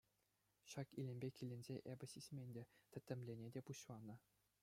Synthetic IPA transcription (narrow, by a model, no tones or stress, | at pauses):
ɕɑkilʲĕmʲbʲekʲilʲɘ̆nʲzʲeʔebʲɘ̆ɕisʲmʲenʲdʲet̪ʲɘ̆t̪ʲːɘ̆mʲlʲenʲedʲepuɕlˠɑnɤ̆